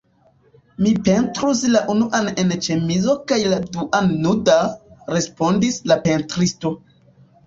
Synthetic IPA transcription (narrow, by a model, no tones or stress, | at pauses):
mipe̞ntɾuslaʔunuʔanent͡ʃe̞mizo̞kajladuʔanːudaɾe̞spo̞ndislape̞ntɾisto̞